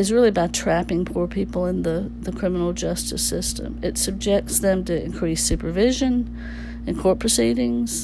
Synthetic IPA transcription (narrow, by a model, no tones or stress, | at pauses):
ɨzɹɪlˠibatʰɹ̥æpɪ̃ŋpʰuɹpʰipl̩ˠə̃nðəðɨkʰɹ̥ɪ̃mənl̩ˠd͡ʒʌstɨ̰sɪstʰə̰̃mɨtsɨb̚d͡ʒɛk̚tsðɨ̃mtɨɨ̰̃nkʰɹ̥isʉpə˞vɪʒɨ̃n | ɨ̃nkʰɔɹt̚pʰɹ̥ɨsiɾɪ̃ŋz̥